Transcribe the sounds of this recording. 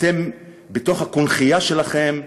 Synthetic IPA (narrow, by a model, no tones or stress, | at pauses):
t̪e̞m | bet̪o̞χhakunχijaʃe̞laχe̞m